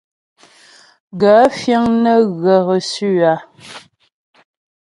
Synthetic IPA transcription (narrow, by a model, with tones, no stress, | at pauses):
ɡa˨˦fjə˦ŋnə˦ɣə˨ɣə˨sʉ˦˨a˨